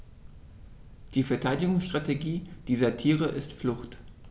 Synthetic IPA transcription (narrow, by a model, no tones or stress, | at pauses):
d̥iːfɛɐtʰaɪdɪɡʊŋsʃtʁ̥ateɡiːd̥iːzɐtʰiːʁəʔɪstflʊxt